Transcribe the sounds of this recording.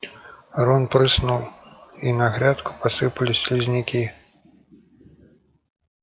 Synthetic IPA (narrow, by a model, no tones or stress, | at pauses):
rɔnpɾɨsnuwinɐɣɾʲat̪ku̥pasɨpɐlʲisʲlʲizʲnʲikʲi